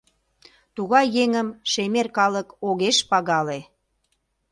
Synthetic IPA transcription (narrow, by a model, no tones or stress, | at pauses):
t̪uɣɑjːeŋəmʃemerkɑləkoɣeʃpɑɣɑle